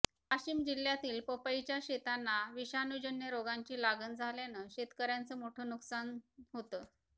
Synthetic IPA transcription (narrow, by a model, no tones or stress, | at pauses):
aɕiːmd͡ʑilːjat̪iːlpəpait͡ɕjaɕet̪anːaʋiɕanud͡ʑənjəɾoɡãɲt͡ɕiːlaɡənd͡zʱaljanəɕet̪kəɾjant͡səːmoʈʰəːnuksanɦot̪ə